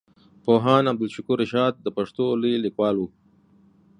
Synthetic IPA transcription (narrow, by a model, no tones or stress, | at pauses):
poːɦɑːnɐb̚d̪ɪlʃʊkuɾɪʃɑːd̪̚ːəpɐʂt̪olilikwɑːlu